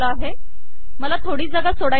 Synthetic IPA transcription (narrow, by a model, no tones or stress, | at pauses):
ləaɦe | məlat̪ʰoɽiːd͡zəɡasoɽa